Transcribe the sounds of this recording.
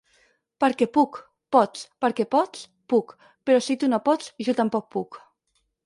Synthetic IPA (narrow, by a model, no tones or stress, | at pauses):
pəɾkɛpuk | pɔt͡spəɾkɛpɔt͡s | puk | peɾɔsit̪unopɔt͡sʒɔt̪ampɔk̚puk